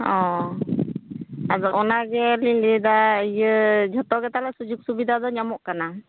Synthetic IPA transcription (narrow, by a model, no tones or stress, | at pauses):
ɔ | azɔʔɔnaɡɛlilid̪aəjəd͡ʒʱɔt̪ɔɡɛt̪alasud͡ʒuk̚subid̪ʱad̪ɔɲamɔʔkana